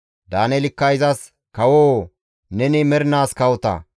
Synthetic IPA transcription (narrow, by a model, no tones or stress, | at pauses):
d̪aːnɛlɪkːɐjzɐs | kɐwoː | nɛnɪmɛɾɪnaːskɐwɔt̪ɐ̰